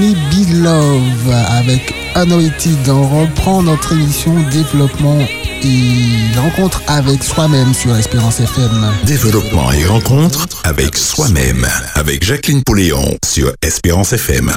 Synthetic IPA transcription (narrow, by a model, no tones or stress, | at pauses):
lebilɔvavɛk | anɔit̪id̪ɑ̃ʁəpχɑ̃nɔt̪χemisjɔ̃d̪evlɔpmɑ̃eʁɑ̃kɔ̃t̪χavɛkswamɛmsyʁɛspeʁɑ̃sɛfɛmd̪evlɔpmɑ̰̃ḛʁɑ̃kɔ̃t̪χavɛ̰kswamɛ̰ma̰vɛkʒaklinpɔleɔ̰̃sy̰ʁɛspeʁɑ̃sɛfɛ̰m